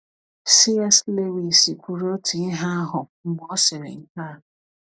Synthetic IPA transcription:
si˦ɛ˦sle˦wi˨si˨kʷu˨ɾo˦ti˨i˦ɦa˦a˦ɦʊ˨ŋ̩˦ɡ͡bɔ˦sɪ˨ɾɪ̰˨ŋ̩˦kaː˦˨

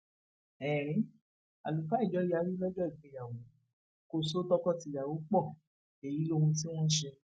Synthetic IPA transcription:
ɛː˨ɾ̃ĩ˨˦ | a̰˨lu˨fa˨˦i˦˨d͡ʒɔ˨˧˦ja˨˧˦ɾi˦lɔ˦d͡ʒɔ˦i˨ɡ͡bẽ˨ja˨wɔ̃˨˦ | ko˦˨so˦tɔ˦kɔ˦˨ti˧˨ja˨wo˨˦k͡pɔ˦˨ | e˨ji˨˦lo˦˧hũ˧ti˦w̃ɔ̃˦ʃe˧

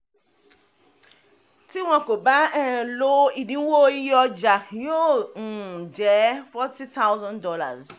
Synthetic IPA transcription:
ti˦w̃ɔ̃˦ko˨ba˦ɛ˨lo˦i˨dĩ˦wo˦jɔ˦d͡ʒa˨jo˦ŋ̩˨d͡ʒɛ˨˦fɔ˦ti˦t̪ʰa˦wzɔ̃˦ndɔ˦la̰˨z

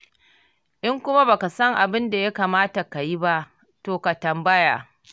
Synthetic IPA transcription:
ʔɪ˦ŋkʷʊ˦ma˦ba˨ka˨sɐ˦ŋʔa˨bɪ˦nda˨ja˦kaː˨maː˦ta˨ka˨ji˦ba˦ʔ | toː˨ka˨tɐ˨mbɐ˦ja̰ː˨

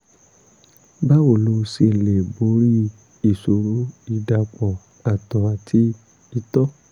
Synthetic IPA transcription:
ba˦wo˨lo˧˦˧si˧˨le˨bo˨˦ɾi˦ | i˦˨so˨˦ɾo˦i˧da˧k͡pɔ˨ | a˨tɔ˨a˨tʰi˧ | i˧tɔ˦

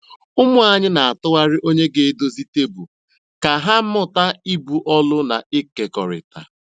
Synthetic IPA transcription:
ʊ˦mʊ˦a˦ɲɪ˦na˨a˨tʊ˦ɣa˦ɾɪ˦ʔo˦ɲe˦ɡe˦e˦do˦zi˦te˦bu˨ | ka˨ɦa˦m̩˦mʊ˦ta˦i˦bu˨ʔɔ˦lʊ˦na̰˨ɪ˦ke˨kɔ˨ɾɪ̰˨ta̰˨

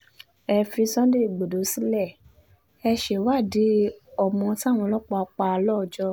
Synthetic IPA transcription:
ɛ˧fi˧˦sɔ̃˦n˦de˦˨ɡ͡bo˨do˨˦si˦lɛ˦˨ | ɛ˧ʃe˨wa˦˨de˨˦ɔ˨mɔ̃˧ti˦a˦˨w̃ɔ̃˧lɔ˦k͡pɔ˧a˧k͡pa˧lɔ˦˨d͡ʒɔ˧

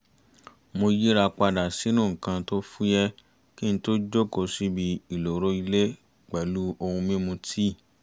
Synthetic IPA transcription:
mo˧ji˦ɾa˧k͡pa˧da˨si˨˦nũ˦˨ŋ̩˨kã˧to˦fu˦jɛ˦ | ki˦ñ̩˦to˦d͡ʒo˦˨ko˧si˦bi˧i˨lo˨ɾo˦i˧le˦ | k͡pɛ˨˦lu˦o˧hũ˧mĩ˦mũ˧tʰi˦˨

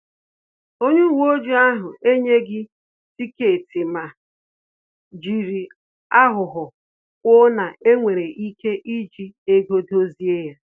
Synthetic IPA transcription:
o˦ɲu˦wo˦d͡ʒi˦a˦ɦʊ˨e˦ɲe˦ɡɪ˦ | ti˦ke˨ti˨ma˨ | d͡ʒi˨ɾi˨ | a˦ɦʊ˨ɦʊ˨ | kʷʊ˦na˨ʔe˦ŋʷe˨ɾe˨ʔi˦ke˦ʔi˦d͡ʒi˦e˦ɡo˦do˦zi˦e˦ja˦

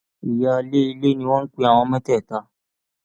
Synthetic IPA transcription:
i˨ja˧le˦i˧le˦nĩ˧w̃ɔ̃˦n̩˦k͡pe˦a˨w̃ɔ̃˧mɛ̃˦tɛ˦˨ta˧˦

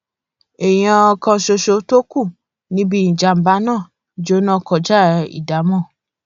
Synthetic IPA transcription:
ɛ˨j̃ã˧kã˧ʃo˧ʃo˧to˦ku˦˨ | nĩ˨˦bi˧˨ĩ˨d͡ʒa˨˧m̩˨ba˨˦nãː˦˨ | d͡ʒo˦nã˦kɔ˧˨d͡ʒa˦˨˧ḭ˨da˨˦mɔ̃˦˨

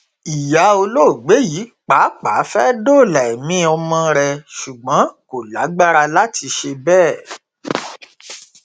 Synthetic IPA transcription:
i˨ja˨˦o˧lo˦˨ɡ͡be˨˦jiː˨˦k͡pa˨˦k͡pa˨˦fɛ˦do˦˨la˨ɛ˨mĩ˦ɔ˧mɔ̃˧ɾɛ˨ʃu˨ɡ͡bɔ̃˨˦ko˨la˨˦ɡ͡ba˦ɾa˧la˦ti˧ʃe˧bɛː˦˨

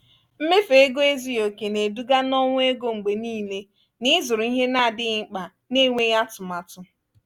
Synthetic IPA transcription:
m̩˦me˦fe˨e˦ɡo˦e˦zi˦o˨ke˨ne˨du˦ɡa˦nɔ˦ŋʷʊ˦e˦ɡo˦ŋ͡m̩˨ɡ͡be˨niː˦le˦ | nɪ˦zʊ˨ɾʊ˨i˦ɦe˦na˦˨dɪ˦ŋ͡m̩˦˨k͡pa˨ | ne˦˨ŋʷe˦ja˦tʊ˨ma˨tʊ˦

